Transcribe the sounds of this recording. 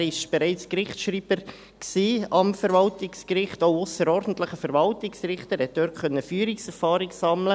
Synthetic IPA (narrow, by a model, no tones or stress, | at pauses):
ɾɪʃb̥ɛɾɛɪt͡skrɪχtʃɾiːb̥əɾ | ksiːɑmfəɾvɑltɪkskrɪχtoʊʊsəɾɔɾdn̩tlɪχəfɛɾvɑltɪksrɪχtəɾhɛt̚d̥øːɾtχœnːəfyːɾɪksɛɾfɑːɾɪksɑmlə